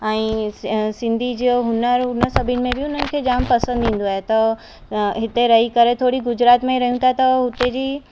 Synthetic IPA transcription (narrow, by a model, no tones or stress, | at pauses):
ɛ̃ːsɪ̃nd̪ʱid͡ʑioɦʊnəɾʊnəsɐbʱɪnɪ̆mẽbɪʊn̤ənɪ̆kʰeːd͡ʑaːmpɐsə̃nd̪ĩːn̆d̪oaːɦet̪ɐ | ɦɪt̪eɾɐɦikɐɾet̪ʰoːɽiɡʊd͡ʑɾaːt̪mẽiɾɐɦijũt̪ʰat̪ɐɦʊt̪ed͡ʑiː